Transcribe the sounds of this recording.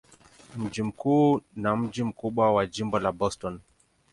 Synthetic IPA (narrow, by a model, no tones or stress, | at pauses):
m̩d͡ʒim̩kuːnam̩d͡ʒim̩kuɓwawad͡ʒimbɔlabɔstɔn